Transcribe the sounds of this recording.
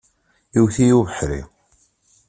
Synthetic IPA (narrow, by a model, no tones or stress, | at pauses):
iwθijuvəħɾḭ